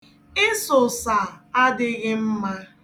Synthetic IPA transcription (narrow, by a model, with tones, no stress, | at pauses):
ɪ˦sʊ˨sa˨a˦dɪ˦ɣɪ˦m̩˦ma˦